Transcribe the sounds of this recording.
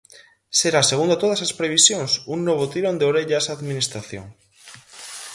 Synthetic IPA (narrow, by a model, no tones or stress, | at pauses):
seɾaseɣund̪ot̪oð̞asaspɾeβ̞isjoŋsuŋnoβ̞ot̪iɾond̪eoɾeʎasaðminist̪ɾaθjo̰ŋ